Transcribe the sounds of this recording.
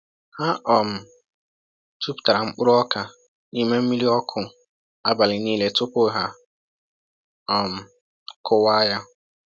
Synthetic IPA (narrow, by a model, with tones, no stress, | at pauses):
ha˦ʔɔ˨m̩˨ | tu˦pta˨ɾa˨ŋ͡m̩˦k͡pʊ˦ɾʊ˦ɔ˦kʰa˨ | ni˦me˦m̩˦mi˦li˦ɔ˦kʰʊ˨ | a˦ba˨lɪ˨nĩː˦le˨tʊ˦pʊ˦ɦa˨ | ɔ˨m̩˨ | kʰʊ˦wa˦ja˦